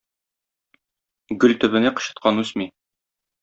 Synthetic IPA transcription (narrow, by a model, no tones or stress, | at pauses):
ɡɵlt̪ɵ̆βɘ̆næqɤ̆ɕɤ̥̆t̪̚qʰɑnʉsmi